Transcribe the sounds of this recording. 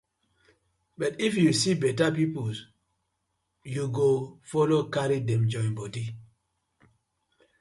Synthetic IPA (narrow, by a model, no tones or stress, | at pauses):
bʌtifjusibɛtapipuls | juɡofɔlokaɾidɛ̃md͡ʒɔ̃ĩnbɔdi